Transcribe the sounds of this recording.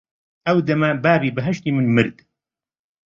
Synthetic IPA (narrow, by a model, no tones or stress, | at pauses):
ʔɐwd̪ɐmɐbaːbiːbɨɦɐʃt̪iːmɨnmɨɾd̪